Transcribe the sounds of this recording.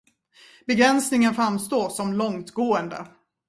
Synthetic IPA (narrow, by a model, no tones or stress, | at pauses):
bɛɡɾɛnsnɪŋənfɾamst̪oːʂɔmlɔŋt̪ɡoːənd̪ə̰